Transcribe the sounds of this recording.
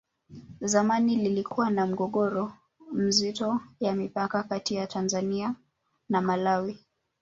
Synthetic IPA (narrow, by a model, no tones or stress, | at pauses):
zamanililikʰuwanam̩ɠɔɠɔɾɔ | m̩zitɔjamipakakatijatʰanzania | namalawi